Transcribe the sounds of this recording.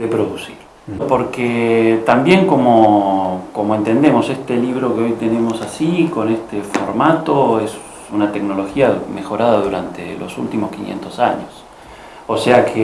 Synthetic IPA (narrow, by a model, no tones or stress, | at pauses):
d̪epɾoðusiɾ | po̞ɾket̪ambje̞ŋko̞mokomo̞e̞nt̪e̞nd̪e̞mo̞sest̪e̞liβ̞ɾo̞keo̞jt̪e̞ne̞mo̞sasiko̞nest̪efo̞̰ɾmat̪o̞es | unat̪e̞knolo̞xiame̞xo̞ɾaðaðuɾant̪ḛlʔo̰sṵlt̪imoskinjḛnt̪o̞saɲos | oseakʰe